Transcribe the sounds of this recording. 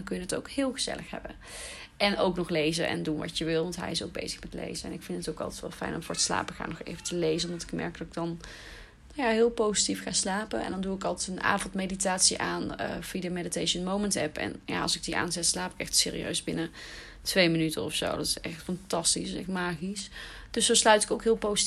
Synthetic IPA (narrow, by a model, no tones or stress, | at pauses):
nkɵjənəto̰ʊwkhɪːlˠɣəz̥ɛ̰lʔəxɦɛ̰bə̰ | ɛnowknɔχlejzənʔɛ̰ndunʋɑ̰tjəʋɪlˠʋɑntɦɛ̰jɪsowɡ̚bḛjzəxmɛtlḛjzəɛ̰nɪkfɪntətowkɑ̰lˠtɛ̥tʋɛlˠfɛ̰jnɔmvʊːɹətsla̰ːpəxa̰ːnɔxḛjvətəlejzənɔmdɑtɪ̥kmɛ̰ɹk̚d̥ɑtɪɡ̚dɑn | najaɦɪːlˠpowzitifχaːslaːpə̰ɛ̰ndɑnduɪkɑlˠtɛtəna̰ːvɔntmejditaːtsiʔaːnəfidəmeditejʃənmowməntɦɛpɛ̰nja̰ːɑ̰lˠsɪɡ̚diʔa̰ːnzɛtslaːpɪ̥kɛ̰xtsɪ̰ːrḭø̰ɥzbɪ̰nə | tʋejmənytənɔfso̰wdɑtɪ̥sɛxtfɑntɑstisɛ̰xtmaːχis | d̥ɵsoslœɥtɪ̥koʊwkɦɪːlˠpowz